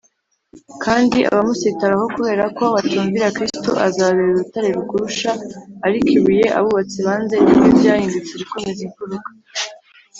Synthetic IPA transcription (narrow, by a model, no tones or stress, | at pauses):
kʰaːndiʔa̰βamusitaɾaho̞kuβe̞ːɾako̞βatuːɱviɾakɾisto̰ʔazaβeɾuɾutaɾeɾukuɾuʃaːɾikʰiβuje̞ʔa̰βuβat͡siβaːnze̞nibjobjaːhiːndut͡seβiko̞meziɱfuɾukḁ